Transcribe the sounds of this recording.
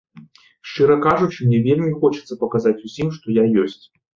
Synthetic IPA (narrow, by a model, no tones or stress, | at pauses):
ʂt͡ʂɨɾɐkaʐut͡ʂɨmnʲɛvʲelʲmʲixɔt͡ʃɐt̪sɐpɐkazat͡sʲusʲimʂt̪ɔjajɔsʲt͡sʲ